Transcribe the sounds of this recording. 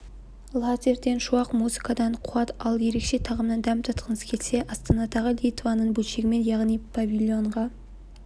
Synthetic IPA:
lˠat̪ʲerd̪e̞nʃuɑqmuzikɑd̪ɑɴqʰuɑt̪ɑlˠje̞ɾe̞kʃe̞t̪ʰɑʁəmnɑnd̪æmt̪ʰɑt̪qʰənəskʲʰelse̞ʔɑst̪ɑnɑd̪ɑʁəlʲijt̪vɑnəɴbulʃeɡʲɪme̞njɑʁnijpʰavʲilʲjo̞ɴʁɑ

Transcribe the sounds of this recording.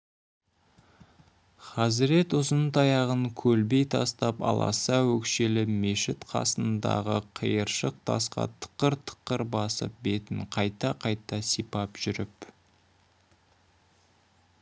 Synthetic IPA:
χɑzɪɾe̞t̪ʊzənt̪ʰɑjɑʁəŋkʲʰɵlbe̞jt̪ʰɑst̪ɑpɑ̰lˠɑ̰sɑwɵkʃe̞lɪme̞ʃɪt̪qʰɑ̰sənd̪ɑ̰ʁəqʰəjəɾʃəq̚t̪ʰɑ̰sqɑ̰t̪ʰə̥qːəɾt̪ʰə̥qːəɾbɑsə̰p̚be̞t̪ɪɴqʰɑjt̪ɑqʰɑjt̪ɑsipɑpʒ̥ʏɾɪp

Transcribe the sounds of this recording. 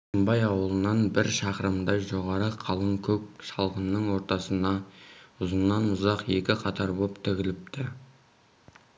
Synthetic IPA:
səmbɑjɑwəlˠənɑnbɪɾʃɑqəɾəmd̪ɑʒo̞ʁɑɾəqʰɑlˠəŋkʲʰɵk̚ʃɑlˠqənːəɴwo̞ɾt̪ɑsənɑʊzənːɑnʊzɑqje̞kʲɪqʰɑt̪ʰɑɾbo̞pt̪ʰɪɡʲɪlɪp̚t̪ɪ

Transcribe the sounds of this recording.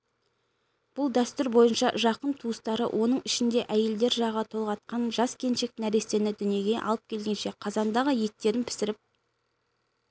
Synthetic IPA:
b̥ʊlˠd̪æst̪ʏɾbo̞jənʃɑ̰ʒɑqənt̪ʰuəst̪ɑɾə̰wʔo̞nəɴɪʃɪnd̪e̞ʔæje̞ld̪e̞ɾʒɑʁɑt̪ʰo̞lˠʁɑt̪̚qɑnʒɑskʲʰe̞nʃe̞k̚t̪ɪnæɾe̞st̪e̞nɪd̪ʏnije̞ɡʲe̞ʔɑ̰lˠəp̚kʲʰe̞lɡʲe̞nʃe̞qʰɑzɑnd̪ɑʁəje̞t̪ːe̞ɾɪnpʰɪ̥sɪɾɪp̚

